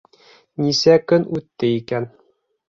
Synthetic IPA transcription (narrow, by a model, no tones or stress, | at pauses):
nʲisækɵnʉt̪ːɘikæn